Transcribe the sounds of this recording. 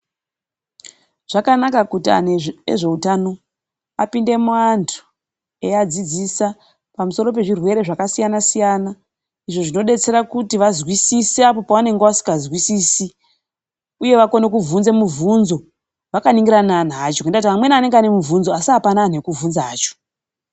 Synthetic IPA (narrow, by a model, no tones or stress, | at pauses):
ʐ̥akanakakutia̰neḛʐe̞utano̞ | apinde̞muantʰu̥ | ead͡zid͡zisa | pamuso̞ɾo̞pe̞ʐirwe̞ɾe̞ʐakasijanasijana | iʐo̞ʐino̞ɗe̞t͡se̞ɾakutiʋazwisiseapo̞paʋane̞ŋɡeʋasi̥ŋɡazwisiːsi | uje̞ʋako̞ne̞kuvunze̞muvunzo̞ | ʋakaniŋɡiɾanan̤at͡ʃokendatiamwe̞nane̞ŋɡeanemuvunzo̞asiɦapanaːnekuvunzaːt͡ʃo̥